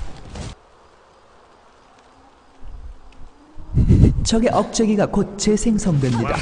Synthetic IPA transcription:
t͡ɕʰʌɡe̞ʔʌk̚t͡ɕ͈ʌɡiɡakot̚t͡ɕ͈esʰeŋsʰʌŋdwe̞mɲida̰

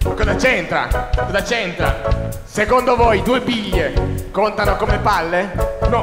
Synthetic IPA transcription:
kːɔzat͡ʃent̪ɾa̰kɔzat͡ʃent̪ɾa̰ | sekond̪ovɔjd̪uːebiʎːekont̪anokomepalːenɔ

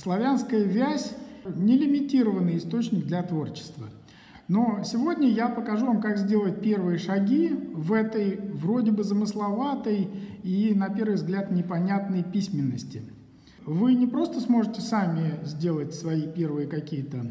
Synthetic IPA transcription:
slˠɐvʲanskəjəvʲæsʲnʲɪlʲɪmʲɪtʲiɾəvənːɨjɪst̪o̞t͡ɕnʲɪɡ̚d̪lʲɐt̪vo̞rt͡ɕɪ̥st̪və̰ | no̞sʲɪvo̞dʲnʲəjapəkɐʐuvamkakzʲdʲe̞lˠət̚ʲpʲe̞rvɨjəʂɐɡʲivɛt̪əjvɾo̞dʲɪbɨzəmɨslˠɐvat̪əjinɐpʲe̞rvɨjvzɡlʲat̪nʲɪpɐnʲat̪nəjpʲisʲmʲɪnːəsʲtʲɪ | vɨnʲɪpɾo̞st̪əsmo̞ʐɨtʲɪsamʲɪzʲdʲe̞lˠətʲsvɐipʲe̞rvɨjəkɐkʲijət̪ə

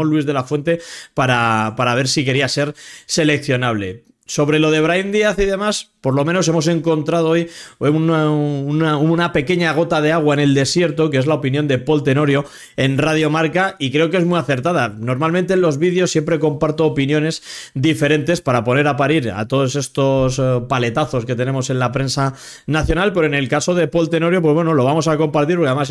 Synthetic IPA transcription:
onlːwizðe̞lafwe̞nt̪e̞paɾapaɾaβ̞e̞ɾsike̞ɾiase̞ɾse̞le̞k̚θjo̞naβ̞le̞̰ | so̞βɾe̞lo̞ð̞e̞β̞ɾaind̪iaθiðe̞maspo̞ɾlo̞mẽ̞no̞s̬e̞mo̞s̬e̞ŋko̞nt̪ɾaðoojnunaunape̞ke̞ɲaɣ̞o̞t̪aðe̞aɣ̞waene̞ld̪e̞sje̞ɾt̪o̞kee̞zlaopinjo̞nd̪e̞po̞lt̪e̞no̞ɾjo̞ | e̞nrað̞jo̞maɾkaikɾe̞oke̞zmwiaθe̞ɾt̪að̞ano̞ɾmalmẽnt̪enlo̞zβiðjo̞sːje̞mpɾe̞ko̞mpaɾt̪oːpinjo̞ne̞sd̪ife̞ɾe̞nt̪e̞spaɾapo̞ne̞ɾapaɾiɾa̰t̪o̞ð̞o̞se̞st̪o̞spale̞t̪aθo̞ske̞t̪e̞ne̞mo̞se̞nlapɾe̞nsa | naθjo̞nalpe̞ɾo̞ene̞lkaso̞ðe̞po̞lt̪e̞no̞ɾjo̞pwe̞βwenolo̞β̞amo̞s̬ako̞mpaɾt̪iɾpokaðemas

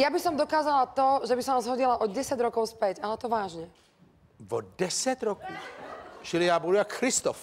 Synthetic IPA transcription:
jabisɔmd̪ɔkaːzalat̪ɔʒɛbisɔnazɦɔɟilaʔɔɟɛsaɟɾɔkɔʊspɛɟalɛt̪ɔʋaːʒɲɛ | vɔdɛsɛt̪ɾɔkut͡ʃilijaːbudujakxɾist̪ɔf

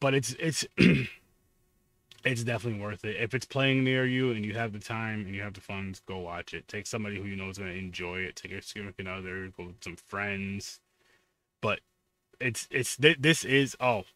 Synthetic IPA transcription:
b̥ʌɾɨtsɪts | ɪts̬d̥ɛfənətˡliwɜ˞θɪtɪfɨtspʰl̥eɪɪ̃ŋnɪɹjʉɨ̃njɨɨvðɨtʰãɪ̃mɨ̃njɨɨvðɨfʌ̃nzɡ̥oʊwɑt͡ʃɨtʰeɪksʌ̃mbɑɾihʉjɨnoʊzɡʌnɨɨ̃nd͡ʒɔɪɪtʰeɪkjə˞skʉmɨkɨnʌðə˞ɡoʊwɨð̥sʌ̃ɱfɹɛ̃ndz̥ | b̥ʌɾ | ɪtsɪtsðɪðɪsɪzɔlˠ

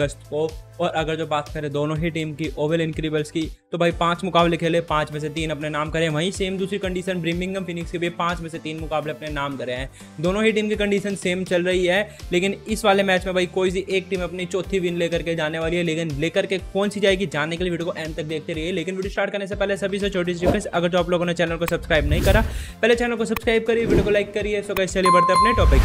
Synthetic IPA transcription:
ɐɡəsʈ̪koɔːɾɐɡəɾd͡ʒoːbaːt̪kɐɾẽd̪oːnõɦiʈiːmkiʔoːʋəlɪ̃nkɾiːbəlskit̪obʱaːipãːt͡ʃmʊkaːblekʰeːlepãːt͡ʃmẽs̬et̪iːnɐpnenaːmkɐɾẽɦɛ̃ʋʱɐĩseːmd̪uːsɾikɐ̃ɳɖiːʃənbɾiːmɪ̃ŋɡəmfɪnɪkskibʱipãːt͡ʃmẽset̪iːnmʊkaːbleɐpnenaːmkɐɾeɦɛ̃ː | d̪oːnõɦiʈiːmkikɐ̃ɳɖiːʃənseːmt͡ʃɐlɾɐɦiɦɛːleːkɪnɪsʋaːlemɛːt͡ʃmẽbʱɐikoːisiʔeːk̚ʈiːmɐpnit͡ʃoːt̪ʰiʋɪnleːkɐɾked͡ʒaːneʋaːliɦɛleːkɪnleːkɐɾkekɔːnsid͡ʒaːekid͡ʒaːnekeliʋiːɖiokoʔɛ̃ːnt̪ɐk̚d̪eːk̚ʰt̪eɾɐɦiɦɛleːkɪnʋiːɖijosʈaːɾʈkɐɾnes̬epɛːlesɐbʱis̬ɔt͡ʃʰoːʈ̬iːs̬d͡ʒɪkesɐɡəɾd͡ʒɔːploːɡonẽt͡ʃɛːnəlkosɐbskɾaːɪbnɐɦĩkɐɾaːpɛːlet͡ʃɛːnəlkosɐbskɾaːɪb̚kɐɾieʋiːɖijokolaːɪkːɐɾiɛsokɐɪselibɐɾt̪eɐpneʈɔːpɪk

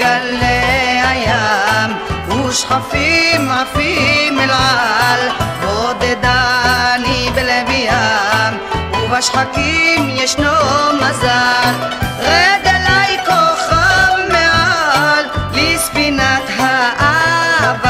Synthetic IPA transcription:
alːeajam | uʃχafimʕafimelʕalvod̪ed̪anibelebijamuvaʃχakimjɛʃnomazalʁɛd̪elajkoχavmealːisfinat̪ɦaʔav

